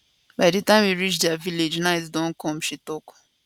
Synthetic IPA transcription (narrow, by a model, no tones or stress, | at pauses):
baɪdetãɪ̃mwiɹit͡ʃdɛaviled͡ʒnaɪt̬dɔ̃nkɔ̃mʃitɔk